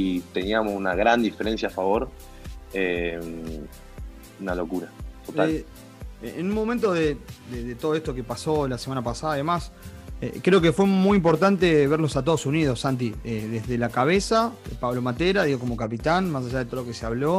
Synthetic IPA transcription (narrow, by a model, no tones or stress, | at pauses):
it̪eniamosunaɣɾand̪ifeɾensjafaβo̞ɾ | e | unalokuɾat̪ot̪al | enũnmo̞mẽnt̪oðed̪eðet̪oð̞oest̪o̞kepaso̞lasemanapasaðaiðemasḛkɾe̞o̞kefwe̞mujimpo̞ɾt̪ant̪eβeɾlo̞sat̪o̞ð̞osunið̞o̞sant̪̬ieðeðe̞lakaβ̞esapaβlo̞mat̪eɾaðiɣo̞ko̞mo̞kapit̪anmas̬aʒaðet̪ookeseaβlo̞